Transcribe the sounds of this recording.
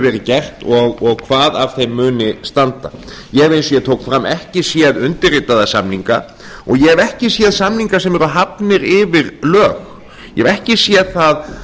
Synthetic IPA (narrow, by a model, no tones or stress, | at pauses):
vɛːɾɪcɛr̥t̪ɔɣɔɣkʰvaːðav̥θejmːʏːnɪst̪ant̪a̰ | jɛvejnsɔjɛt̪ʰoːwkfɾamːʔɛhcɪsjɛðʏnt̪ɪrɪt̪ːaðasamniŋka̰ | ɔɣjɛɛvɛhcɪsjɛðsamniŋkasɛmɛɾʏɦapnɪɾɪvɪɾlœːx | jɛɛvɛhcɪsjɛðθað